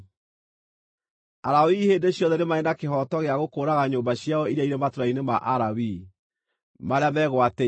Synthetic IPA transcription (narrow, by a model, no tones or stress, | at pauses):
aɾawiheːndeɕjɔðɛɾemaɛnakehɔtɔɣeaɣokoːɾaɣaɲoːmbaɕjaɔiɾaiɾematoɾainema̰ʔaɾawi | maɾeamɛɣwatɛ